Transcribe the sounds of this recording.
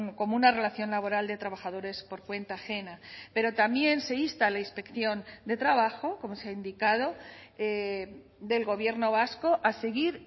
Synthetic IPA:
ko̞munare̞laθjo̞nlaβ̞o̞ɾald̪e̞t̪ɾaβaxað̞o̞ɾe̞spo̞ɾkwe̞nt̪aːxe̞nape̞ɾo̞t̪amje̞nse̞ist̪alainspe̞kθjo̞nd̪e̞t̪ɾaβ̞axo̞ko̞mo̞seaind̪ikað̞o̞e | d̪e̞lɣo̞β̞je̞ɾno̞β̞asko̞ʔaseɣiɾ

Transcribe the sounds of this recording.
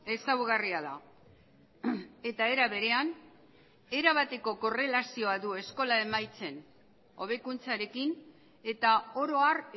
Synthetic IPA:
e̞sawɣariaða̰ | e̞t̪ae̞ɾaβe̞ɾe̞an | e̞ɾaβ̞at̪e̞ko̞ko̞re̞lasio̞aðue̞sko̞lae̞majt͡se̞n | o̞̰β̞e̞kunt͡saɾe̞kin | e̞t̪ao̞ɾo̞ar

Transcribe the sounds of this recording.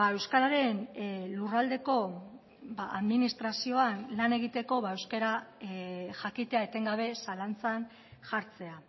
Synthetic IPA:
ae̞wskaɾaɾe̞nlurald̪e̞ko̞ | baaðminist̪ɾasio̞anlane̞ɣ̞it̪e̞ko̞βae̞wskeɾa | ʝakit̪e̞aet̪e̞ŋɡaβ̞e̞salant͡san | ʝaɾt͡se̞a

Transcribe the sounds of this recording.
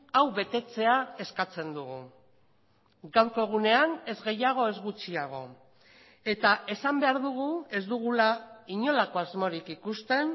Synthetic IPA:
awβe̞t̪e̞t͡se̞ae̞skat͡se̞nd̪uɣu | ɡawɾko̞ɣ̞une̞ane̞zɣe̞jaɣ̞o̞e̞zɣut͡siaɣ̞o̞ | e̞t̪ae̞sambe̞aɾðuɣ̞ue̞zd̪uɣ̞ulaiɲo̞lako̞azmo̞ɾikikust̪e̞n

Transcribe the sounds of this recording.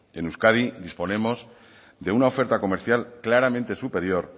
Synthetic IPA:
e̞nuskaðid̪ispo̞nẽ̞mo̞z | d̪e̞unao̞fe̞ɾt̪ako̞me̞ɾθjalklaɾamẽ̞nt̪e̞supe̞ɾjo̞ɾ

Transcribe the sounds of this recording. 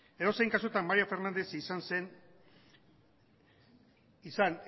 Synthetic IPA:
eðo̞sejŋkas̬uet̪ammaɾiafe̞ɾnand̪e̞sisanse̞n | isan

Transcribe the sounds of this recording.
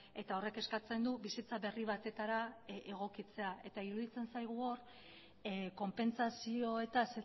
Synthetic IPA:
e̞t̪ao̞re̞ke̞skat͡se̞nd̪uβisit͡saβe̞riβ̞at̪e̞t̪aɾaeɣ̞o̞kit͡se̞aʔe̞t̪aiɾuðit͡se̞nsajɣ̞uo̞ɾ | ko̞mpe̞nsasio̞et̪ase

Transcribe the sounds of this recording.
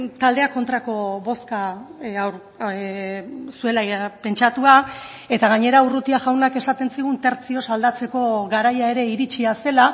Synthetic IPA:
t̪ald̪e̞ako̞nt̪ɾako̞βo̞skaawɾ | sue̞lape̞nt͡ʃat̪ua | e̞t̪aɣaɲe̞ɾaurut̪iaʝawnake̞sat̪e̞nsiɣ̞unt̪e̞ɾt͡sio̞sald̪at͡se̞ko̞ɣaɾajae̞ɾe̞iɾit͡ʃiase̞la

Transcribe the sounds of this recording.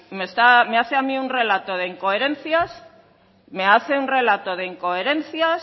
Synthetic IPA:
mest̪ame̞aθeamiunre̞lat̪oðe̞iŋko̞eɾe̞n̟θjas | me̞aθe̞unre̞lat̪oð̞eiŋko̞eɾe̞n̟θjas

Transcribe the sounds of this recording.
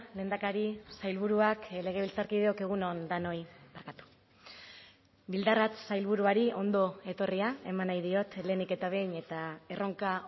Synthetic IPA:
le̞ːnd̪akaɾisajlβuɾuakle̞ɣ̞e̞βilt͡saɾkið̞e̞o̞ke̞ɣ̞unond̪ano̞jmaɾkat̪u̥ | bild̪arat͡ssajlβuɾuaɾio̞nd̪o̞e̞t̪o̞riae̞manajðio̞t̪le̞nike̞t̪aβ̞e̞jɲe̞t̪ae̞ro̞ŋka

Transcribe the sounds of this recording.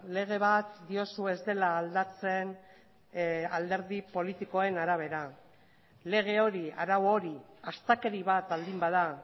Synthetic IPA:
le̞ɣ̞e̞β̞at̪d̪io̞sue̞zd̪e̞laːld̪at͡se̞n | ald̪e̞ɾðipo̞lit̪iko̞e̞naɾaβ̞e̞ɾa | le̞ɣ̞e̞o̞ɾia̰ɾawo̞ɾiast̪ake̞ɾiβat̪ald̪imbað̞a

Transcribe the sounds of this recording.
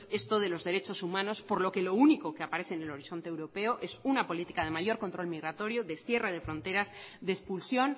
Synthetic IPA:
e̞st̪oðe̞lo̞zðe̞ɾet͡ʃo̞sumãno̞spo̞ɾlo̞ke̞lo̞uniko̞keapaɾe̞θenelo̞ɾiθo̞nt̪ewɾo̞pe̞oʔe̞sunapo̞lit̪i̥kaðe̞maʝo̞ɾko̞nt̪ɾo̞lmiɣɾat̪o̞ɾjoðe̞sθje̞re̞ð̞e̞fɾõ̞nt̪e̞ɾazðespulsjo̞n

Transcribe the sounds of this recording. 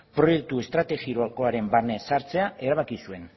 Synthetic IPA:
pɾo̞je̞k̚t̪ue̞st̪ɾat̪e̞ɣiɾoako̞aɾe̞mbarne̞saɾt͡se̞aʔe̞ɾaβ̞akisue̞n

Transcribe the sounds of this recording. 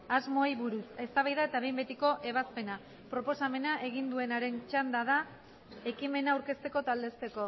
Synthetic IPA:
azmo̞jβuɾuse̞st̪aβajðae̞t̪aβe̞jmbe̞t̪iko̞ʔe̞β̞aspe̞na | pɾo̞po̞same̞naʔe̞ɣ̞ind̪ue̞naɾe̞nt͡ʃand̪að̞a | e̞kime̞naːwɾke̞st̪e̞ko̞t̪ald̪e̞st̪e̞ko̞

